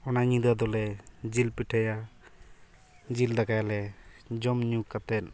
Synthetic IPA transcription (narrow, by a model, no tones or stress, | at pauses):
ɔnaɲĩd̪ad̪ɔlɛd͡ʒilpiʈʰaja | d͡ʒild̪akajalɛd͡ʒɔmɲukat̪ɛn